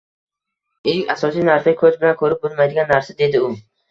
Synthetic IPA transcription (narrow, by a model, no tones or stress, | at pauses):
ɪʃkʲasɒsijnaɾsɪkʰɵzbɪlankʰɵɾɪp̚bʊlˠmajd̪ɪɡʲanːaɾsad̪e̞d̪ɪʊ